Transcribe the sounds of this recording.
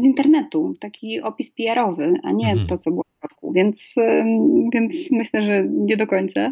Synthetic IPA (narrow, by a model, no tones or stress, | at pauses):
zint̪ɛɾnɛt̪ut̪akʲiʔɔpʲispʲijaɾɔvɘʔa̰ɲɛt̪ɔt̪sɔbɘwɔfɔt̪̚kṵvʲjɛnt̪s | vʲjɛnt̪smɘɕlɛʐɛɲɛd̪ɔkɔɲt̪sa